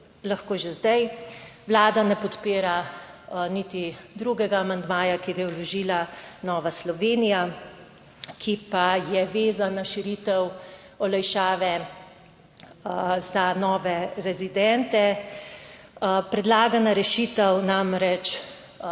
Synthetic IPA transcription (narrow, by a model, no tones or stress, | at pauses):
laxkoːʒezd̪ajʋlaːd̪anɛpɔt̪piːɾa | nit̪id̪ɾuɡɛɡaːmand̪maːjakiɡajɛɔlɔʒilanɔːʋaslɔʋeːnija | kʰipajɛʋeːzanaʃiɾit̪ɛw | ɔlɛjʃaːʋɛ | zanɔːʋɛɾɛzid̪ɛnt̪ɛ | pɾɛd̪laːɡanaɾɛʃiːt̪ɛwnamɾɛt͡ʃ